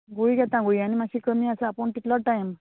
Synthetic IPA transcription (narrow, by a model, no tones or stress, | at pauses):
ɡoiɡɛt̪ãɡoianimasʰiːkəmiasəapəɳt̪iʈ̪lɔʈajm